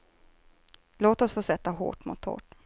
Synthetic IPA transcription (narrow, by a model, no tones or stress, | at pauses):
loːt̪ɔsfoːsɛt̪ːaɦo̰ːʈmʊ̰t̪ʰho̰ːʈ